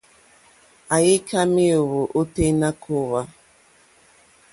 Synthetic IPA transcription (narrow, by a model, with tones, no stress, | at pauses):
a˨jɪ˦kʰa˦mi˦o˨wo˨ʔo˦te˦na˦kʰo˦wa˦